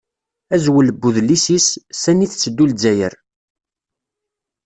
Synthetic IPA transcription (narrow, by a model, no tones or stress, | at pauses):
æzwəlbːuðlisissæniθt͡sːəd̪ːuld͡zæjə̰ɾ